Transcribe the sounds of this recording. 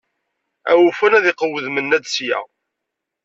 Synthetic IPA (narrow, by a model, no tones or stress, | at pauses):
æwufænæðɪqəwəðmənːæd̪sjæ̰